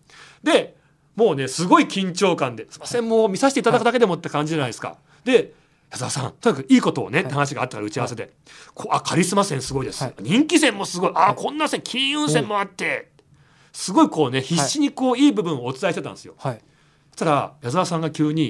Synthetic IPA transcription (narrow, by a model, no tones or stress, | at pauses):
d̪e̞ | mo̞ːne̞sɨɡo̞ikʲĩɲ̟t͡ɕo̞ːkãnd̪e̞sɨ̥masẽ̞mmo̞ːmʲisaɕi̥t̪eit̪ad̪akɯd̪ake̞d̪e̞mo̞t̪ːkãɲ̟d͡ʑiʑanaid̪esɨ̥ka̰ | d̪e̞ | jazɨasã̰nt̪oɲʲikakiːko̞t̪o̞̰ːne̞tehanaɕ̬iɡa̰ːt̪ːakaɾaɯ̟t͡ɕiaβase̞d̪e̞ | kʰoːakʰaɾʲisɨmasẽ̞ɰ̃sɨɡoid̪e̞sɨaɲ̟ĩŋkʲisẽ̞mːo̞sɨɡo̞iʔakʰõ̞nːãsẽŋkʲʰĩɰ̃ɯ̟̃ɰ̃sẽmːo̞at̪ːe̞ | sɨɡo̞iko̞ːne̞çiɕːiɲ̟iko̞ːiːbɯ̟bɯ̟̃ɰ̃oːt͡sɨ̥t̪aiɕit̪et̪ãd̪esɨjo̞̰̥ | t̪aɾajazaasãŋɡakʲɨːɲ̟i